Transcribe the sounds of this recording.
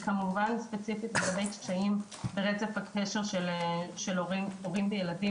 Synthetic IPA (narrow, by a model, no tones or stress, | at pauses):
kamuvanspet͡sifitmeɡabejt͡ʃt͡ʃaim | beʁet͡sefhakʰeʃe̞ʁʃelʃeloʁioʁimbejeladi